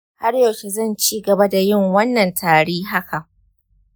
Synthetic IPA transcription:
ha˦rjɐ˨wkʲe˨zɐ˦˨nt͡ʃiː˦ɡɐ˨ba˦da˨jɪ˦ŋwɐ˦nːɐ˨ntʰaː˨ɽiː˦ɦa˦kʰa˨ʔ

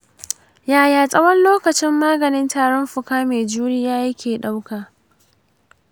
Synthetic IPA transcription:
jaː˨jaː˨sʼɐ˦wɐ˦nloː˦kɐ˨t͡ʃɪ˦mːaː˦ɡɐ˨nɪ˦ntaː˨ɽɔ˦mɸʊ˨kaː˦meː˨d͡ʒuː˦ɽɪ˦jaː˦jɐ˦kʲeː˨ɗa˦wkaː˨

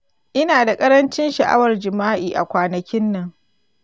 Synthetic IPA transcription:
ʔɪ˦naː˨da˨kʼɐ˦ɾɐ˦nt͡ʃɪ˦nʃɐ˨ʔa̰˦wɐ˨rd͡ʒɪ˨maː˦ʔiː˨ʔa̰˨kʷaː˨nɐ˨kʲɪ˦nːɐ˨ŋ

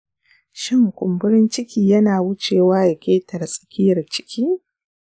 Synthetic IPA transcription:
ʃɪ˦ŋkʷʊ˨mbʊ˦ɾɪ˦nt͡ʃɪ˦kʲiː˨jɐ˦naː˨wʊ˦t͡ʃeː˨waː˦ja˨kʲeː˦tʰɐ˨rsʼɐ̥˨kʲiː˦ɐ˨t͡ʃɪ̥˦kʲʰiː˦

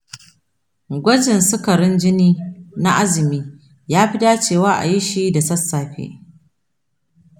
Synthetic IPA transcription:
ɡʷɐ˦d͡ʒɪ˨nsʊ˦kɐ˨ɾɪ˦nd͡ʒɪ˦niː˦na˦ʔa˦zɪ˨miː˦ | jaː˦ɸɪ˦daː˦t͡ʃeː˦˨waː˦ʔa̰˨ji˦ʃi˦da˨sɐ˦sːaː˨ɸḛ˦

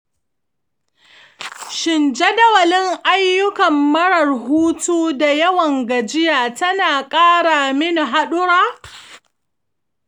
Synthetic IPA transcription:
ʃɪ˨nd͡ʒe˦dɐ˦wɐ˨lɪ˦ŋʔa˦jːʊ˦kɐ˨mːɐ˦ɽɐ˨rɦuː˦tuː˦da˨jɐ˦wɐ˨ŋɡɐ˨d͡ʒɪ˦jaː˨tɐ˦naː˨kʼaː˦ɽaː˨mɪ˦ni˨ɦa˦ɗʊ˦ɽaː˦

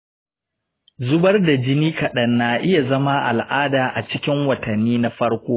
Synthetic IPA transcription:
zʊ˦bɐ˦rda˨d͡ʒɪ˦niː˦kɐ˨ɗɐ˦nːaː˨ʔɪ˦ja˨zɐ˦ma˦ʔa̰˨lʔaː˦daː˨ʔa̰˨t͡ʃɪ˦kʲɪ˦ŋwɐ˨tɐ˨nːiː˦na˦ɸɐ˦ɽkʷoː˦

